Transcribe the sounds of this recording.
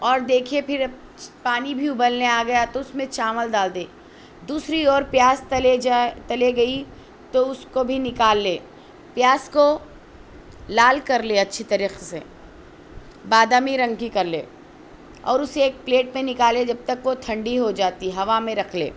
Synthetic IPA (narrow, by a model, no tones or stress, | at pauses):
ɔːɾd̪eːkʰiepʰɪɾ | paːnibʱiʊbəlneaːɡɐjat̪oʊsmẽt͡ʃaːməld̪aːld̪eː | d̪uːsɾiɔːɾpjaːst̪let̪ɐleɡɐi | t̪oʊskobʱinɪkaːlːeː | pjaːsko | laːlkɐɾleɐtːʃʰet̪ɐɾiːqsḛ | baːd̪aːmiɾɐ̃ŋɡkikɐɾlḛː | ɔ̰ːɾʊseeːk̚pleːʈmẽnɪkaːled͡ʒɐb̚t̪ɐkʋot̪ʰɐ̃ɳɖiɦod͡ʒaːt̪iɦɐʋamẽɾɐkʰlḛː